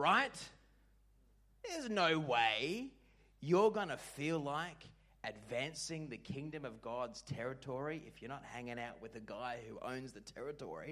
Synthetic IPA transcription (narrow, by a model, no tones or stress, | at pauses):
ɹaɪt | ɨznoʊweɪ | jə˞ɡʌnɨfilaɪk | ɨdvæ̃nsɪ̃ŋðɨkʰɪ̃ŋdɨ̃mʌvɡɑdz̥tʰɛɹɨtʰɔɹiʔɨ̰fjə˞nət̚hæ̃ŋɪ̃ŋaʊʔ̚wɨðɨɡaɪhʉʔõ̰ʊ̃nzðɨtʰɛɹɨtʰɔ̰ɹḭ